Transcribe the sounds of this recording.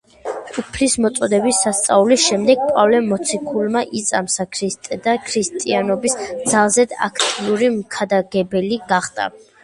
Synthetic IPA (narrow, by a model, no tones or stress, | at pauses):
upʰlismɔt̪sʼɔd̪ɛbisːast̪sʼaulisʃɛmd̪ɛɡ̚pʼavlɛmɔt̪sʰikʰulˠmaʔit̪sʼamsakʰɾist̪ʼɛd̪akʰɾist̪ʼianɔbisd̪z̥alˠzɛd̪a̰kʰt̪ʼiuɾimkʰad̪aɡɛbɛliɡ̥aχd̪ʼa̰